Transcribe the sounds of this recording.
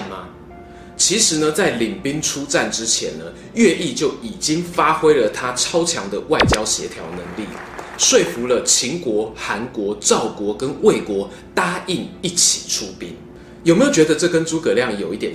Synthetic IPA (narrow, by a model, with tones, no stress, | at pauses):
mɐ˨ | t͡ɕʰi˧˥ʂɻ̩˧˦nə˧t͡sa˥˩ɪli˨˩ŋpi˦˥ŋʈ͡ʂʰu˦t͡sa˥˨˩nʈ͡ʂɻ̩˦˥t͡ɕʰjɛ̰˧˥nnə˧ | ɥɛ˥˧i˥˧t͡ɕjo˥˩ʊi˨˩t͡ɕi˦˥ŋfa˥xwe˥ɪlə˨t̪ʰa˦ʈ͡ʂʰɑ˥ʊt͡ɕʰjɑ˧˥ŋd̪ə˧wa˥˩ɪt͡ɕjɑ˥ʊɕjɛ̰˧˥t̪ʰjɑ̰˨˧˥ʊnə˧˥ŋlḭ˥˩ | ʂwe˥˩ɪfu˨˧˦lə˧t͡ɕʰi˧˥ŋkwɔ˧˥xa˧˥nkwɔ˧˥ʈ͡ʂɑ˥˩ʊkwɔ˧˥kə˦nwe˥˩ɪkwɔ˧˥˦ | t̪a˥i˥˩ŋi˥˩t͡ɕʰi̥˨˩ʈ͡ʂʰu˦˥pi˦n | jo˨˩me˦˥jo˨˩t͡ɕɥɛ˧˦d̪ə˧ʈ͡ʂɤ˥˨˩kə˦˥nt͡su˨˥kɤ˨˩ljɑ˥˩ŋjo˨˩ʊi˥˩t̪jɛ˨˩